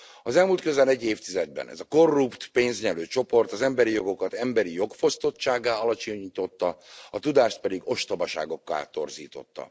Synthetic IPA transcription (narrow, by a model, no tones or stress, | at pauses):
ɒzɛlmuːlt̪kø̞zɛlɛɟːeːft̪izɛd̪̚bɛ̰nɛ̰zɒko̞rːupt̪peːnzɲɛløːt͡ʃo̞po̞rt̪ɒzɛmbɛɾijo̞ɡo̞kɒt̪ɛmbɛɾijo̞kfo̞st̪o̞tt͡ʃːaːɡaːɒlɒt͡ʃoɲiːt̪o̞t̪ːɒɒt̪ud̪aːʃt̪̚pɛd̪iɡo̞ʃt̪ɒbɒʃa̰ːɡo̞kːa̰lt̪o̞rzḭːt̪o̞t̪ːɒ̰